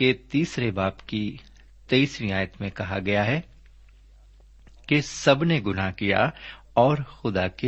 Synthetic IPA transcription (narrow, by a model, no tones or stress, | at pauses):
et̪iːsɾebaːpki | t̪eisɾiaːjət̪mẽkɐɦaɡɐjaɦɛ | kesɐbneɡʊnakija̰ | ɔːɾxʊd̪ake